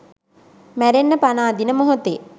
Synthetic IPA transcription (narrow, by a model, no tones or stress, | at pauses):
mæɾenːəpanaːd̪inəmoɦut̪e